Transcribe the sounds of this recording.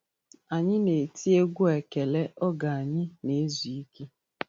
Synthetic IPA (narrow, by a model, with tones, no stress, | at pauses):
a˨ɲɪ˦ne˨ti˦e˦ɡʷu˦e˨ke˨le˦ʔɔ˦ɡa˨a˨ɲɪ˦ne˨˦zu˨i˦ke˦